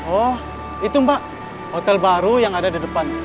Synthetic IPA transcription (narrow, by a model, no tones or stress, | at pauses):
ɔh | it̪umbaʔ | hot̪ɛlbaɾujaŋadadidəpan